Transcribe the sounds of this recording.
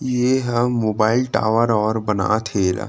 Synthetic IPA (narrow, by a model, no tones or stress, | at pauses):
jeɦəːoːbaːɪlʈa̰ːʋəɾɔːɾbəna̰t̪ʰeːla̰